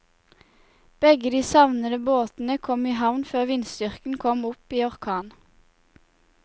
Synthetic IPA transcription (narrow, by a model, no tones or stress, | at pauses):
b̥ɛɡəd̪iːsɑʋnəd̪əboːt̪n̩əkʰɔmiːɦɑʋnføːʁʋɪnsd̪ʏʁkn̩kʰɔmʊpiːɔʁkʰɑːn